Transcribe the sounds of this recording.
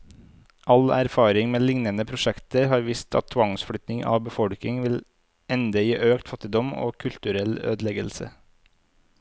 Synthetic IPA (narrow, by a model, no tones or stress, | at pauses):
ʔɑlæ̰ɾfɑːɾɪŋmeːlɪŋnənəpʰɾʊʃɛkt̪əɾhɑːɾʋiːst̪ʰɑ̰t̪ʰːʋɑŋsfɽʏt̪nɪŋʔɑ̰ːʋbəfɔɽknɪŋʋɪl | ɛnd̪əjiːʔøːkt̪fɑt̪ɪd̪ɔmo̰ːkʰʉlt̪ʉɾɛlø̰ːd̪lɛɡəlsə̰